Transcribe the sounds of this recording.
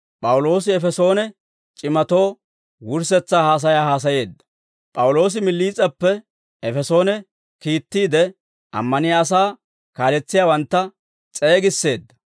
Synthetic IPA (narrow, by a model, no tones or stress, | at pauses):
pʼɐwʊlo̞ːsɪɛfɛso̞ːnɛ | t͡ʃʼɪmɐt̪o̞ː | wʊɾs̬ɛt͡sːaːhaːs̬ɐjaːhaːs̬ɐje̞ːd̪ːɐ̥ | pʼɐwʊlo̞ːs̬ɪmɪlːiːt͡sʼːɐpːɛ | ɛfɛso̞ːnɛ | kiːt̪ːiːd̪ɛ | ʔɐ̰mːɐnɪjaːs̬aː | kaːlɛt͡sːɪjaːwɐnt̪ːɐ | t͡sʼe̞ːɡɪsːe̞ːd̪ːɐ̥